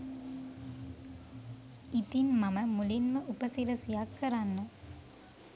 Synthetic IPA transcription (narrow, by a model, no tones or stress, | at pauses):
it̪inmɐməmulinməʔupəsiɾəsijakːəɾanːə